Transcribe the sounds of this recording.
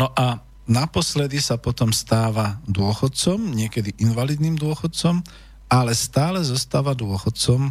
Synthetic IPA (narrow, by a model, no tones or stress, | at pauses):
nɔʔa | napɔslɛd̪isapɔt̪ɔmst̪aːʋad̪ʊɔxɔt̪̚t͡sɔmɲɪɛkɛd̪iʔinʋalid̪niːmd̪ʊɔxɔt̪̚t͡sɔm | alɛst̪aːlɛzɔst̪aːʋad̪ʊɔxɔt̪̚t͡sɔm